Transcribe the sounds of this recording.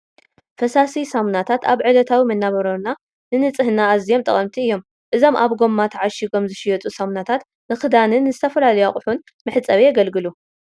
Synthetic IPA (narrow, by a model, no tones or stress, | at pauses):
fɐsasisɐmnat̪ʰat̪aβʕɨlɐt̪ʰawimɐnːaβɐɾɐɾna | nɨnɨt͡sʼɨhɨnaːzijo̞mt̪ʼɐχʼɐmt̪ʰiɨjːo̞m | ʔɨzo̞mʔaβɡo̞mːat̪ʰɐʕaʃiɡo̞mzɨʃɪjɛt͡sʼusɐmnat̪ʰat̪ | nɨxɨd̪anɨnɨzɨt̪ʰɐfɐlalɐjaχʼʊħun | mɨħɨt͡sʼːɐβejɛɡɐlɡɨlu